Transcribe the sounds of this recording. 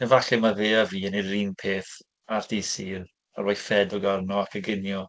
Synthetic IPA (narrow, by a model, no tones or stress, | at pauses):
nɛvaɬɛmaveːaviːəniriːmpʰeːθ | ard̥iːsiːr | aɾoːjfɛdɔɡarnɔakʰəɡɪnjɔ